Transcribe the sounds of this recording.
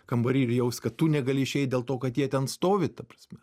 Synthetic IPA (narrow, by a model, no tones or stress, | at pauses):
kɐmbɐɾʲiːɾʲɪjɛʊsʲkɐtt̪unʲɛɡɐlʲɪɪʃʲɛɪt̚dʲeːlˠt̪oːkɐt̪jiɛt̪ʲɛnst̪oːʋʲɪt̪ɐpɾɐsʲmʲɛ